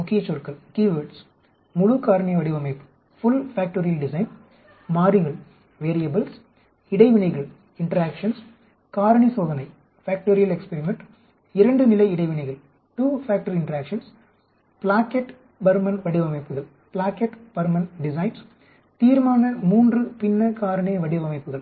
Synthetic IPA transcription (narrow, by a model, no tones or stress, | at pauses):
mʊkijɐt͡ʃːoːɾkɐɭkiːʋɐɾɖs | mʊɻukaːɾɐɳiɐʋɐɽiʋɐmɐɪpːɯ̥ | fʊlfaːk̚ʈoɾijɐlɖɪsɐɪn | maːɾiɣɐɭ | ʋeːɾijɐbɐls | ɪɽɐɪʋɪnɐɪɣɐɭ | ɪɳʈɐɾaːkʂɐns | kaːɾɐɳisoːðɐnɐɪ | faːk̚ʈoːɾijɐlɛkspɛɾɪmɛɳʈ | ɪɾɐɳɖɯnɪlɐɪɪɽɐɪʋɪnɐɪɣɐɭ | ʈuːfaːk̚ʈɐɾɪɳʈɐɾaːkʂɐns | plaːkeʈ | bɐɾmɐnʋɐɽiʋɐmɐɪpːɯɣɐɭ | plaːkeʈb̥ɐɾmɐnɖɪsɐɪns | t̪iːɾmaːnɐmuːndrɯpɪnːɐkaːɾɐɳɐjɐʋɐɽɪʋɐmɐɪpːɯɣɐɭ